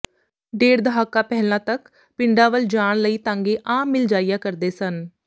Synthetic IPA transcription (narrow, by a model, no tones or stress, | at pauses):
ɖeːɾd̪əɦaːkaːpɛɦlãːt̪ək | pɪɳɖaːʋəld͡ʒaːɳ̃ləiːt̪ãːŋɡeːʔaːmːɪld͡ʒaːijaːkəɾd̪eːsən